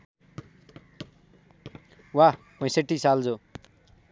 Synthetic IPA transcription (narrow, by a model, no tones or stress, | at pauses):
wa | pʌ̃ĩseʈːisald͡zo